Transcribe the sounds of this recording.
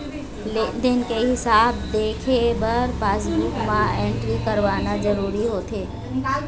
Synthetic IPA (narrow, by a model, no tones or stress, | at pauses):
ed̪ɪnkeɦɪsaːb̚d̪eːkʰebəɾbaːzbɾuːkmãẽːɳʈɾikɐɾʋanazɐɾuːɾiɦot̪ʰeː